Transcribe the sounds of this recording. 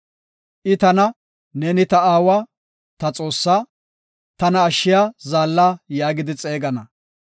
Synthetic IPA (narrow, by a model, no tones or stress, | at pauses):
ʔɪt̪ɐnɐ | nɛnɪt̪ɐaːwaː | t̪ɐt͡sʼo̞ːsːaː | t̪ɐnɐːʃːɪjaːzaːlːaːjaːɡɪd̪ɪt͡sʼe̞ːɡɐnɐ